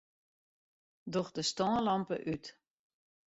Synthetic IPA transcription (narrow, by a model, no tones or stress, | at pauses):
dɔxdəstɔːlɑmpə̰ʔyt